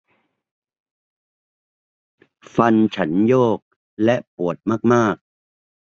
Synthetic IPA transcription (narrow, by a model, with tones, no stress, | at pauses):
fa˧nt͡ɕʰa˦˥njoː˥˩k̚ | lɛ˦˥ʔpu˨˩ət̪̚maː˥˩k̚maː˥˩k̚